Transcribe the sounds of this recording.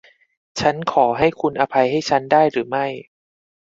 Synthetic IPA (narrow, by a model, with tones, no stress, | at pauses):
t͡ɕʰa˦˥nkʰɔː˩˦ɦa˥˩jkʰu˧nʔa˧pʰa˧jɦa˥˩jt͡ɕʰa˦˥ndaː˥˩jɾɯː˩˦ma˥˩j